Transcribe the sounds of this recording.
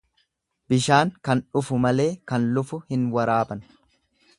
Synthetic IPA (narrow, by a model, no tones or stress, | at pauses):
bɪʃaːŋkɐnᶑʊfʊmɐle̞ːkɐnlʊfʊhɪnwɐɾaːbɐn